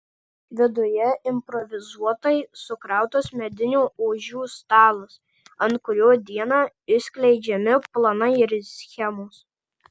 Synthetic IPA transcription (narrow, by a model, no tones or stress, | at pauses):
ʋʲɪd̪ʊjɛɪmpɾɔʋʲɪzuɔt̪ɐɪsʊkɾɑˑʊt̪osmʲɛd̪ʲɪnʲuːoːʒʲuːst̪ɑːlˠʊs | ɐnt̪̚kʊɾʲoːd̪ʲiɛnɑː | ɪsʲkʲlʲɛɪd͡ʒʲɛmʲɪplˠɐnɐɪɪɾsʲxʲɛmoːs